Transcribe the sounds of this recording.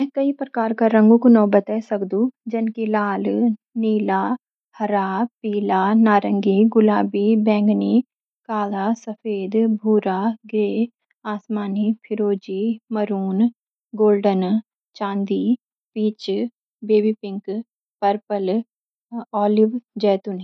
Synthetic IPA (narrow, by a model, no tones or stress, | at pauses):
mɛ̃ːkɐipɾɐkaːɾkaɾɐ̃ŋɡõkonɔːbət̪ɛsɐkd̪ũd͡ʒɐnkilaːl | niːlaː | hɐɾaːpiːlanaːɾə̃ŋɡiɡʊlaːbibɛ̃ːŋɡni | kaːlaːsɐfʰeːd̪bʱuːɾaːɡɾeː | aːsmaːnipʰɪɾoːd͡ʒimɐɾuːn | ɡoːlɖən | t͡ʃãːnd̪i | piːt͡ʃ | beːbipɪ̃ŋk | pəɾpəl | ɔːlɪʋd͡ʒɛːt̪uni